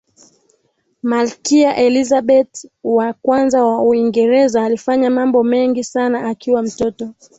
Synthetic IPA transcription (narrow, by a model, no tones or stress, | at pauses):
malkiaʔɛlizaɓɛtwakwanzawauiŋɡɛɾɛzaːlifaɲamambɔmɛŋɡisanaakiwam̩tɔtɔ